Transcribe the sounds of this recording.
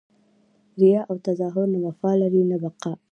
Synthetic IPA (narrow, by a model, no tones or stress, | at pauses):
ɾɪjɑʔawt̪azɑɦʊɾnabafɑlaɾinabaqa